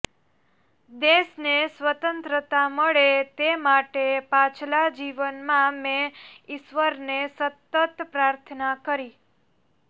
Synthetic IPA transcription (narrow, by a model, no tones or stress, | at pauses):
d̪esnesʋət̪ənt̪ɾət̪aməɭet̪emaʈepat͡ʃʰlad͡ʒiʋənmãmẽɪʃʋəɾnesət̪ːət̪pɾaɾt̪ʰənakəɾi